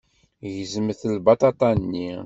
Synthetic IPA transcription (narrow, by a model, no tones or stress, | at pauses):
ʝəzəmθəlbɑt̪ɑt̪ˤɑnːi